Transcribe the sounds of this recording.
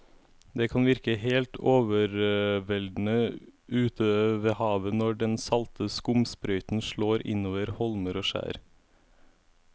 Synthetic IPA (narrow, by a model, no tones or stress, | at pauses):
d̪ɛkʰɑnʋɪɾkəɦeːlt̪ʰoːʋəɾʋɛld̪n̩əʉːt̪ʰəʋeːhɑːʋənɔɖɛnsɑlt̪ʰəskʊmspɾœʏt̪n̩ʃɭoːɾɪ̰noːʋəɾhɔlməɾoːʃæ̰ːɾ